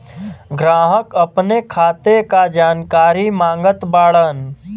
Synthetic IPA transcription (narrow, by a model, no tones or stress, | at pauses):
ɡɾaːɦəkəpnekʰaːt̪ekad͡ʒaːnkaːɾimãːŋɡət̪baːɽən